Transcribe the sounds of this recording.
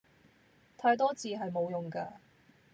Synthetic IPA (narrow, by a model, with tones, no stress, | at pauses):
t̪ʰaː˧jt̪̬ɔː˥t͡siː˧ɦɐ˨jmo˨˧wjʊ˨ŋkaː˧